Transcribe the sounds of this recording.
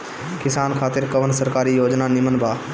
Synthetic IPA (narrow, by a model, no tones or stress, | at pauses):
kɪsaːnkʰaːt̪ɪɾkɐʋənsɐɾkaːɾijoːd͡ʒnanɪmənbʱaː